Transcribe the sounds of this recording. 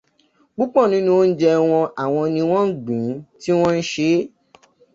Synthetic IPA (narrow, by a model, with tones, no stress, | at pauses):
ɡ͡bu˦k͡pɔ˦˨nĩ˨˦nũ˦o˦n̩˦d͡ʒɛ˧w̃ɔ̃˧ʔa˨w̃ɔ̃˧nĩ˧w̃ɔ̃˦n̩˦ɡ͡bũ˨˦ti˦w̃ɔ̃˦n̩˦ʃe˧˦